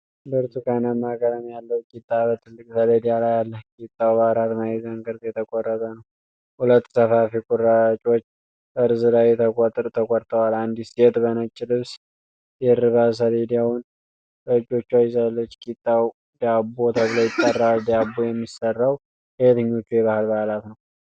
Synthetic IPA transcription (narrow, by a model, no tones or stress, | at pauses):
bəɾt̪ukʰanəmːakʼəɾəmjalːəwkʼit̪ʼːaβət̪ʰɨlːɨkʼsəled̪ijalajalːəkʼit̪ʼːawbaɾat̪majɛzəŋɡəɾt̪jɛt̪ʰəkʼorːət̪ʼənəw | hulət̪ːsəfafikʼuɾat͡ʃʼo̞t͡ʃː | bəɾzɨlajːɛt̪ʰəkʼɔt̪ʼɾt̪ʰəkʼɔɾt̪ʰəwaland̪isjɛt̪bənət͡ʃʼːɪlɨβs | jɛɾɨβas̬əled̪jawn | bəd͡ʒːo̞t͡ʃːuajɪzalːət͡ʃːkʼit̪ʼːaw | d̪abot̪ʰəβləjɪt̪ʼːərːald̪jabːujɛmːisərːaw | hejɛt̪ʰəɲːo̞t͡ʃːujɛβahɨlbahlat̪nəw